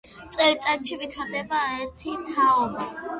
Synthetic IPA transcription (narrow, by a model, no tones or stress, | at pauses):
t̪sʼɛlt̪sʼat̪ʃivit̪ʰaɾd̪ɛbaɛɾt̪ʰit̪ʰaɔba